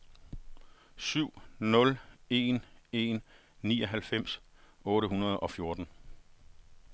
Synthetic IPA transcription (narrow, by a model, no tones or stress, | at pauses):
syʊ̰nɔ̽le̝ne̝nː | ḭːɒ̽ɦælfem̰s | ɔ̽ːɾəhunɐð̞ˠɒ̽fjo̝ɐd̥n̩